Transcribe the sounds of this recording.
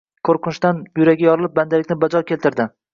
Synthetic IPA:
kʰoɾqʰɨnɪʃt̪anjʊɾaɡʲajɒɾɪlˠɪp̚band̪alɪkʲnɪbad͡ʒɒkʲʰelt̪ɪɾd̪ɪ

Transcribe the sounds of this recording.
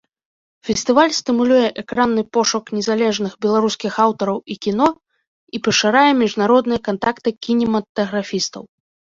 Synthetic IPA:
fʲɛsʲt̪ɨvalʲst̪ɨmulʲujɛʔɛkɾanːɨpɔʂuknʲɛzalʲɛʐnɨxbʲɛlˠaɾuskʲixawt̪ɔɾɐwikʲinɔ | ipɐʂaɾajɛmʲiʐnaɾɔd̪nɨjɛkant̪akt̪ɨkʲinʲɛmɐt̪ɐɣɾafʲist̪ɐ̰w

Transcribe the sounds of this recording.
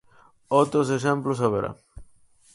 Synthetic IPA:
owt̪ɾos̬eʃ̬ẽmplʊsaβeɾa̰

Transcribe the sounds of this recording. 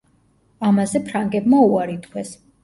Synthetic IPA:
amazɛpʰɾaŋɡɛbmauaɾit̪ʰkʰwɛs

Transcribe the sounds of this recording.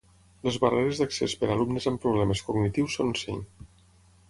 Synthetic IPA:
ləzβareɾeəzðaksespəɾalumnəzampɾuβlɛməskuɡnit̪iwsːonsḛɲ

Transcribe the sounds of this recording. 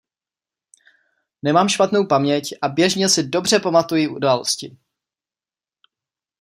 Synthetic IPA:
nɛmaːmʃpat̪no̞wpamɲɛcʔabjɛʒɲɛsɪdo̞br̝ɛpamat̪ujɪʔudaːlo̞̰scɪ

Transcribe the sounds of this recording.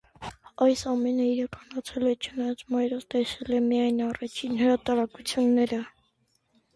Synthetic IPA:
ɑjsɑmɛnəiɾɑkʰɑnɑt͡sʰɛlɛt͡ʃʰənɑjɑt͡smɑjɾɔvt̪ɛsɛlɛmijɑjnɑrɑt͡ʃʰinhəɾɑt̪ɑɾɑkut͡sʰjunːɛɾə

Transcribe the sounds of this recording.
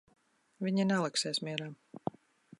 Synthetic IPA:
vʲiɲinɛlˠɛksɛːsmʲiɛɾaːm

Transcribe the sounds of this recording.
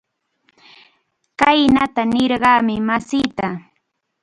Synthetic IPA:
kajnat̪anɪɾɢɑːmɪmasiːt̪a

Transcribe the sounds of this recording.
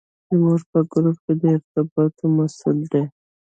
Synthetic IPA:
ɪmoʐpəɡɾup̚ked̪əɪɾt̪ɪbɑt̪omasʊld̪e

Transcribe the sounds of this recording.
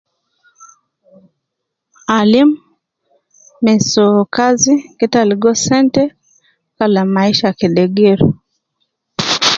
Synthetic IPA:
alim | ɛsɔkazikitaliɡɔsɛntɛ | kalamaiʃajakiɗɛɡɛɾṵ

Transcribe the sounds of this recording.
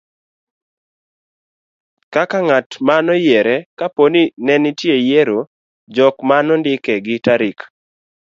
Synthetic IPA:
kakaŋatmanɔjɛɾɛkaponinɛnɪtjejeɾo | d͡ʒɔkmanɔndɪkɛɡɪtaɾik

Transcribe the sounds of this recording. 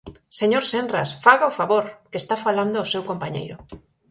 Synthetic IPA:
seɲoɾsenra̰sfaɣaofaβoɾkest̪afaland̪ʊaosewkompaɲḛjɾʊ

